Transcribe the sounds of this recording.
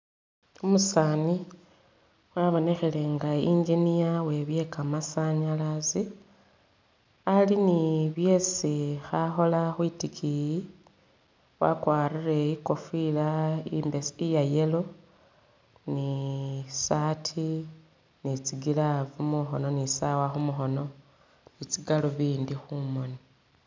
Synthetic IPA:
omusaːni | waβo̞ne̞xele̞ŋɡaiɲd͡ʒinijawe̞βje̞kamasaɲalazi | aliniβje̞sixaxo̞laxwitikʰiji | wa̰kwaːrire̞iko̞filaimbesijaje̞lo̞ | ni | satʰi | nit͡siɡilavumuxono̞nisawaxumuxo̞no̞ | nit͡siɡaloβiːndixumo̞ni

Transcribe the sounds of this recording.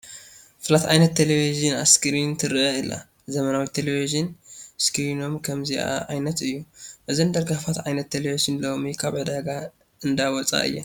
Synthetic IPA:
fɨlat̪ʕa̰jnɐt̪ʰːelevizɨna̰skʰɨɾint̪ʰɨɾɨʔɐɨlːa̰ | zɐmɐnawit̪ʰelevizɨnskʰɨɾino̞mkʰɐmziʔa̰ʕajnɐt̪ɨjːuʔɨzind̪ɐɾɡafat̪ʕajnɐt̪ʰːelevizɨnlo̞mikʰaβʕɨd̪aɡa | ɨnd̪awɔt͡sʼa̰ʔɨ̰jːa̰

